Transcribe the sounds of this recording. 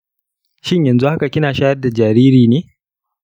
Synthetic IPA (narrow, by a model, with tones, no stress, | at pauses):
ʃɪ˦ɲjɐ˨nzu˦ha˦ka˨kʲɪ˦naː˨ʃaː˦jɐ˦rda˨d͡ʒaː˨ɾiː˦ɾiː˨neː˦